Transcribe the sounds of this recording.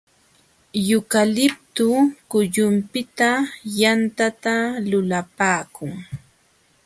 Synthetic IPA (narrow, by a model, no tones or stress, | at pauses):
jʊkalɪp̚t̪ʊkʊʎʊmpɪt̪ajant̪at̪alʊlapaːkʊŋ